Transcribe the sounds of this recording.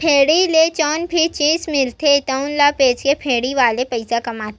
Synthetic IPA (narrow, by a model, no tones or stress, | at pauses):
pʰeːɽilet͡ʃɔːnpʰɪt͡ʃiːzmɪlt̪et̪ɐʊnlapeːt͡ʃkepʰeːɽiʋaːlepɐɪsakɐmaːt̪e